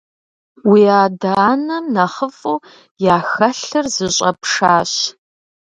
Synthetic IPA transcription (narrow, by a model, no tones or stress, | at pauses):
wiːaːdaːnɐmnɐχəfʼuː | jaːxɐɬɨrzɨɕʼɐpʂaːɕ